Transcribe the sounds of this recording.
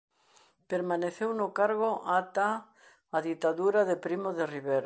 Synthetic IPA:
peɾmaneθewnʊkaɾɣoʔat̪aː | ðit̪aðuɾaðepɾimoðeriβeɾ

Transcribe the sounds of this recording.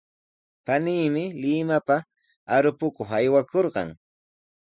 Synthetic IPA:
paniːmɪlɪmapa | aɾʊpʊkoχajwakoɾɢɑ̰ŋ

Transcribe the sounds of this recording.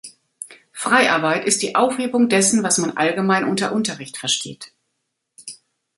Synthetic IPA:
fʁ̥aɪʔa̰ɐbaɪtɪstd̥iːʔaʊfheːbʊŋdɛsn̩vasmanʔa̰lɡəmaɪnʔʊntɐʔʊntɐʁɪçtfɛɐʃtʰḛːt

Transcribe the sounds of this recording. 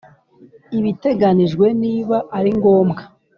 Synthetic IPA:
iβite̞ɡaniʒɡwe̞niːβaʔːɾiŋɡo̞ːmɡa

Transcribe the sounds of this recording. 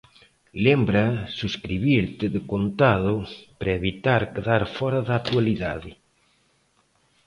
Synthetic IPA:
lembɾɐsuskɾiβiɾt̪ɪðɪkont̪aðʊpɾɐeβit̪aɾkeðaɾfɔɾaðat̪ualiðaðɪ

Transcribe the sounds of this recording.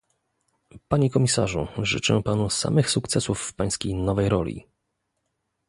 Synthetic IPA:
paɲɛkɔmʲisa̰ʐṵʐɘ̰t͡ʂɛ̰panusa̰mɘxsukt̪sɛsufːpaj̃skʲejnɔvɛjɾɔ̰lʲḭ

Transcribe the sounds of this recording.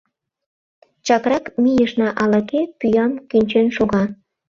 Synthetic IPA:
t͡ɕɑkrɑkmijəʃnɑʔɑlɑkepyjɑmkynʲt͡ɕenʃoɣɑ

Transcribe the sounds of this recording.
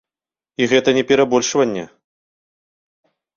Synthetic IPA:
iɣɛt̪ɐnʲɛpʲɛɾabɔlʲʂvɐnʲːɛ̰

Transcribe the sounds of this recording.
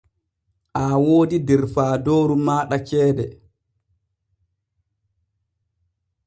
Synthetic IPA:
ʔawoːdidɛɾfaːdoːɾumaːɗat͡ʃɛːdɛ

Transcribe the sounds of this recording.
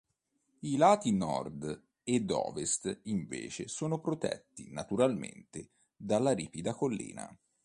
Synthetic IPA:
ilaːt̪inɔ̰rd̪ | ed̪ɔ̰ːvest̪iɱvḛːt͡ʃesoːnopɾot̪ɛ̰t̪ːinat̪uɾalmḛnt̪e | d̪alːaɾiːpid̪akolːḭːna̰

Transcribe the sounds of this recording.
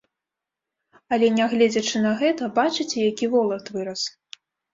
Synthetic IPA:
ɐlʲɛnʲaɣlʲɛd͡zʲɐt͡ʂɨnɐɣɛt̪ɐbat͡ʂɨt͡sʲɛjakʲivɔlˠɐt̪vɨɾɐs

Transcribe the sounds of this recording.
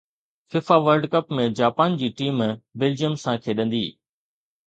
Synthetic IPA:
fɪfaʋəɾlɖkɐpmẽd͡ʑaːpaːnd͡ʑiːʈiːmbeld͡ʑijəmsãkʰeːɗɐ̃nd̪ḭː

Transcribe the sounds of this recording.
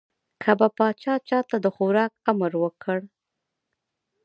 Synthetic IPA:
kʰabapɑt͡ʃɑt͡ʃɑt̪ad̪əxoɾɑk̚aməɾwəkʰəɽ

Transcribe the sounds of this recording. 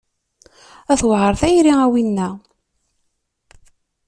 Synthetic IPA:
æθwʁəɾˤθæjɾiæwinːæ

